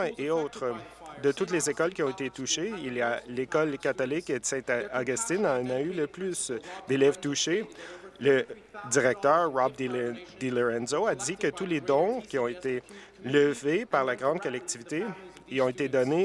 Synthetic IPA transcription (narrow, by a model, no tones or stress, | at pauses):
eɔt̪χ | d̪ət̪ut̪lezekɔlkʲiɔ̃et̪et̪uʃeiljalekɔlkat̪ɔlɪked̪sɛ̃t̪aɡɔst̪inɑ̃nayləplysd̪elɛvt̪uʃelə | d̪iʁɛk̚t̪œːʁːɑb̚d̪d̪elɔʁɛ̃nzoad̪ikət̪uled̪ɔ̃kʲiɔ̃et̪e | ləvepaʁlaɡʁɑ̃d̪̚kɔlɛk̚t̪ivit̪e | ɔ̃et̪ed̪ɔne